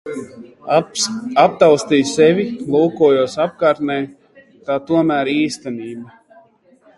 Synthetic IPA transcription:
ap̚t̪awst̪ijsɛvʲilˠuːkuɔjuɔsap̚kaːɾt̪nɛj | t̪aːt̪uɔmæːɾiːst̪ɛniːba

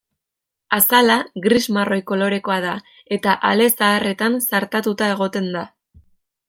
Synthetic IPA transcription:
asalaɣɾizmaro̞jko̞lo̞ɾe̞ko̞aða | e̞t̪aʔale̞saːre̞t̪ansaɾt̪at̪ut̪ae̞ɣ̞o̞t̪e̞nd̪a

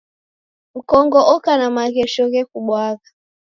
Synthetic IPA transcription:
m̩kɔŋɡɔʔɔkanamaɣɛʃɔɣɛkuɓwaɣa

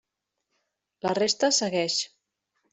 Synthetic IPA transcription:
lərest̪əsəɣɛʃ

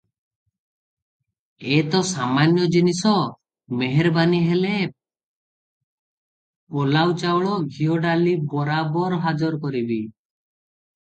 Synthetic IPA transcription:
et̪ɔsamanjɔd͡ʒinisɔ | meɦeɾbaniɦele | polawt͡ʃawɭɔɡʱiɔɖalibɔɾabɔɾɦad͡ʒɔɾkɔɾibi

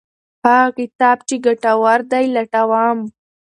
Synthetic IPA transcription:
hakɪt̪ɑːb̚t͡ʃeɡaʈawaɾd̪ajlaʈawaːm

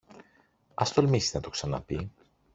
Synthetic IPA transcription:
ɐst̪o̞lmisiznɐt̪o̞ksɐnɐpi

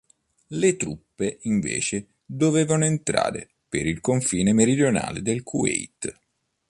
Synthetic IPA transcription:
let̪ɾupːeʔiɱvḛːt͡ʃe | d̪oveːvanoent̪ɾa̰ːɾḛ | peɾilkoɱfiːnemeɾid̪jona̰ːlḛd̪elkʰuɛ̰jt̪

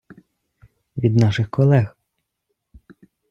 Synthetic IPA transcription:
ʋʲid̪nɑʃɪxkɔlˠɛx

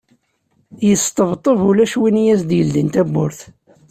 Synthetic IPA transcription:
jəst̪ˤəvt̪ˤːəvulæʃwinijæsd̪jəld̪int̪æbːʊɾθ

